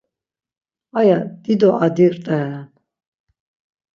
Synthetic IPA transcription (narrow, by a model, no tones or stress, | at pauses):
ajad̪̥id̪ɔʔad̪iɾt̪ʼɛn